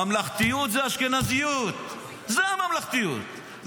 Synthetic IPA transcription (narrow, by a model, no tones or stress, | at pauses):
amlaχt̪ijut̪zeaʃkenazijut̪ | zeamamlaχt̪ijṵt̪